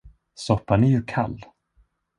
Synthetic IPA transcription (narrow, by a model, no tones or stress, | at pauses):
sɔpːanæɾjɵkʰalː